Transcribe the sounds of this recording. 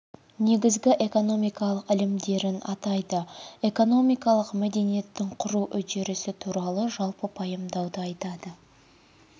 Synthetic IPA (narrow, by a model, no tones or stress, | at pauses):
ne̞ɡʲɪzɡʲɪʔe̞ko̞no̞mijkɑlˠəqɪlɪmd̪e̞ɾɪnɑt̪ɑjd̪əe̞ko̞no̞mijkɑlˠəqmæd̪e̞nije̞t̪ːɪɴqʰʊɾuwʔʏt̪e̞ɾɪsɪt̪ʰuɾɑlˠəʒɑlˠpəpʰɑjəmd̪ɑwd̪əɑjt̪ɑd̪ə